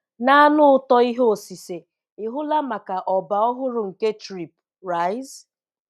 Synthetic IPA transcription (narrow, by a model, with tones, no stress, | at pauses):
na˦nʊ˦ʊ˦tɔ˦i˦ɦo˦o˨si˨se˨ | ɪ˨ɦʊ˦la˦ma˨ka˨ʔɔ˨ba˨ɔ˦ɦʊ˦ɾʊ˨ŋ̩˨ke˦tɾi˨p̚ | ɾa˨˦ɪ˦z